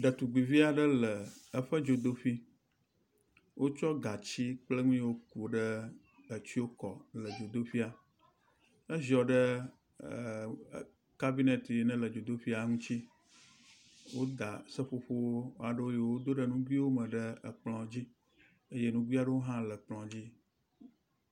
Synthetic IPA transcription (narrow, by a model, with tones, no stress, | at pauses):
ɖə˨t̪u˨ɡ͡bi˨vi˦a˨ɖə˦lə˨ə˨ɸə˦d͡ʒo˨d̪o˦fi˦ | wʔo˦t͡ʃɔ˦ɡa˨t͡ɕi˦k͡plə˦ŋũ˦wo˦ku˨ɖə˦ | ə˨t͡ɕi˦wo˦kɔ˨lə˨d͡ʒo˨d̪o˦fi˦a˨ | ə˦zɔ˨ɖə˦˨ | ka˦bi˦nɛ˨t̪e˨nɛ̃˦lə˨d͡ʒo˨d̪o˦fi˦a˨ŋũ˦t͡ɕi˦ | wo˦d̪a˨sə˦ɸo˦ɸo˦wo˦a˨ɖə˦wo˦jo˨wo˦d̪o˦ɖə˦nũ˦ɡʷi˦wo˦mə̃˨ɖə˦˨k͡plɔ̃˨d͡ʑi˦ | e˦je˦nũ˦ɡʷi˦a˨ɖə˦wo˦ɦã˦lə˨k͡plɔ̃˨d͡ʑi˦